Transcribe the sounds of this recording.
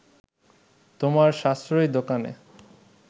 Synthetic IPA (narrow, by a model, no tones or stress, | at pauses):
t̪omaɾʃast̪ɾojd̪okanḛ